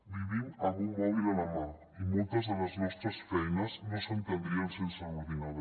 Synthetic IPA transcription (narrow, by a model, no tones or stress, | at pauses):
biβinaɣuŋmɔβiðelamoɾ | imult̪ozðelaznest̪ɾesfejnaznosent̪end̪ɾiansenseɣuɾiðað